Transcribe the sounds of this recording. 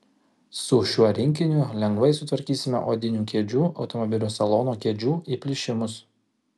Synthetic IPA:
sʊʃʲuɔɾʲɪŋʲkʲɪnʲʊlʲɛŋɡʋɐɪsʊt̪ʋɐɾʲkʲiːsʲɪmʲɛ̰ʔo̰ːd̪ʲɪnʲuːkʲeːd͡ʒʲuːɒʊt̪ɔmɔbʲɪlʲuːsɐlˠoːnoːkʲeːd͡ʒʲuːiːpʲlʲɪʃʲɪmʊs

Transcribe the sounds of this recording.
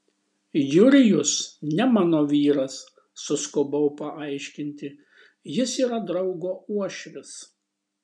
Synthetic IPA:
jʊɾʲɪjʊsnʲɛmɑːnoːʋʲiːɾɐsː | ʊskʊbɐʊpɐʔɐɪʃʲkʲɪnʲt̪ʲɪ | jɪsiːɾɐd̪ɾɒʊɡoːuɔʃʲʋʲɪs

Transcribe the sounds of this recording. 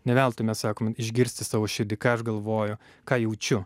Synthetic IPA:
nʲɛʋʲɛlˠt̪ʊmʲɛssɑːkoːmɪʒʲɡʲɪɾʲsʲt̪ʲɪsɑːʋoːʃʲɪd̪ʲɪkɑːɐʃɡɐlˠʋoːjʊ | kɑːjɛʊt͡ʃʲʊ

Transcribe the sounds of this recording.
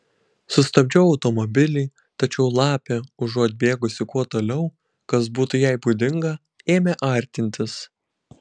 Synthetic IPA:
sʊst̪ɐbʲd͡ʒʲɛʊɐʊt̪ɔmɔbʲɪlʲiː | t̪ɐt͡ʃʲɛʊlˠɑːpʲeʊʒoːt̪̚ʲbʲeːɡʊsʲɪkuɔt̪oːlʲɛʊ | kɐs̬buːt̪ʊjɛɪbuːd̪ʲɪŋɡɐ | eːmʲeːʔɐˑɾʲt̪ʲɪnʲt̪ʲɪs

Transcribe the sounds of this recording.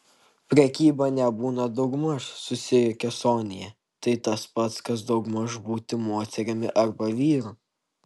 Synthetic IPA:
pʲɾʲɛkʲiːbɐnʲɛbuːnɐd̪ɒʊɡmɐʃsʊsʲɪjʊkʲɛsoːnʲɪjɛ | t̪ɐɪt̪ɐspɐt̪skɐsd̪ɐʊɡmɐʒbuːt̪ʲɪmoːt̪ʲɛɾʲɪmʲɪ̰ʔɐɾbɐʋʲiːɾu

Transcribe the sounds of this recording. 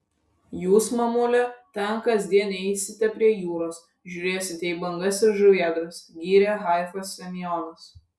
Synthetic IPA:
juːsmɐmulʲɛt̪ʲɛnkɐzʲd̪ʲiɛnʲɛɪsʲɪt̪ʲɛpʲɾʲiɛjuːɾoːs | ʒʲuːɾʲeːsʲɪt̪ʲɛiːbɐŋɡɐsɪɾʒʊʋʲiɛd̪ɾɐsɡʲiːɾʲeːɣɑˑɪfɐsːʲɛmʲjɔnɐs

